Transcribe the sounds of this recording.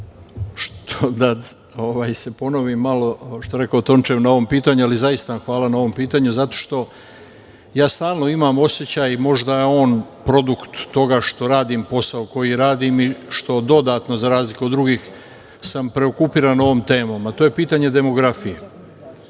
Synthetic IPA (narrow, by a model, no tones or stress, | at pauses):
ʃt̪ʰod̪a | oʋaːjse̞po̞no̞ʋimːalo̞ʃt̪oɾe̞kaot̪o̞nt͡ʃemnao̞ʋo̞mpiːt̪aɲualizajist̪aamxʋaːlanao̞ʋo̞mpiːt̪aɲuzat̪o̞ʃt̪o̞ | jaːst̪aːlˠno̞imamo̞sjet͡ɕaːjmo̞ʒd̪ajeo̞ːnpɾo̞d̪ukt̪ːo̞ɡaʃt̪o̞ɾaːd̪impo̞saoko̞jiɾaːd̪imiʃt̪o̞d̪o̞d̪aːt̪no̞zaɾaːzlikuod̪ːɾuɡiːx | sampɾe̞o̞kupiːɾano̞ʋomt̪e̞ːmo̞mat̪oːje̞piːt̪aɲe̞d̪e̞mo̞ɡɾafije